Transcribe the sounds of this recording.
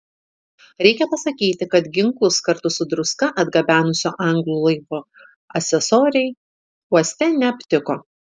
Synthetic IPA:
ɾʲɛɪkʲɛpɐsɐkʲiːt̪ʲɪkɐt̪ɡʲɪŋklˠʊskɐɾt̪ʊsʊd̪ɾʊskɐʔɐd̪ɡɐbʲæːnʊsʲoːʔɐŋɡlˠuːlˠɐɪkoː | ɐsʲɛsoːɾʲɛɪ | uɔsʲt̪ʲɛnʲɛɐpʲt̪ʲɪkoː

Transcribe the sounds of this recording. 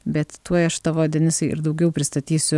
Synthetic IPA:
bʲɛt̪t̪uɔjɐʃt̪ɐʋoːd̪ʲɛnʲɪsɐɪʔɪ̰ɾd̪ɐʊɡʲɛʊpʲɾʲɪst̪ɐt̪ʲiːsʲʊ

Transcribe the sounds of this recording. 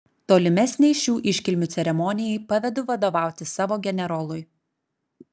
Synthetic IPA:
t̪oːlʲɪmʲɛsʲnʲɛɪʃʲuːʔɪʃʲkʲɪlʲmʲʊt̪sʲɛɾʲɛmɔːnʲɪjɛɪpɐʋʲɛd̪ʊʋɐd̪oːʋɑˑʊt̪ʲɪsɑːʋoːɡʲɛnʲɛɾɔːlˠʊj

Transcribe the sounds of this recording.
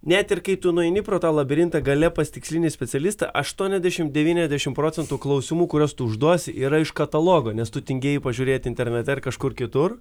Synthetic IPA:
nʲɛt̪ɪrkɐɪt̪ʊnʊɛɪnʲɪpɾoːt̪ɑːlˠɐbʲɪɾʲɪnt̪ɐɡɐlʲɛpɐst̪ʲɪksʲlʲinʲeːsʲpʲɛsʲɛlʲist̪ɐ̰ʔɐʃt̪uɔnʲɛzʲd̪ʲɛʃʲɪmd̪ʲɛʋʲiːnʲɛzʲdʲæʃʲɪmpɾoːt͡s̪ʲɛnt̪uːklˠɐʊsʲɪmuːkʊɾʲost̪ʊʊʒd̪uɔsʲɪʔiːɾɐɪʃkɐt̪ɐlˠoːɡoːnʲɛst̪ʊt̪ʲɪŋʲɡʲeːjɪpɐʒʲuːɾʲeːt̪ɪnʲt̪ʲɛɾʲnʲɛt̪ʲɛɪɾkɐʃkʊrkʲɪt̪ʊr

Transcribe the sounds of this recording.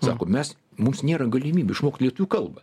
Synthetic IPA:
sɑ̰ːkoːmʲɛs | mʊmsnʲeːɾɐɡɐlʲimʲiːbʲeɪʃmoːkt̪lʲiɛt̪ʊʋʲuːkɐlˠbɐ

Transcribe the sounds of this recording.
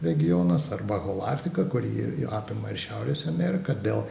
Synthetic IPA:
ɾʲɛɡʲɪjoːnɐsɐrbɐɣoːlˠɑ̰ːrʲt̪ʲɪkɐkʊɾʲḭːɑːpʲɪmɐɪrʃʲæʊɾʲeːsʲɛmʲɛːɾʲɪkɐd̪ʲeːlˠ

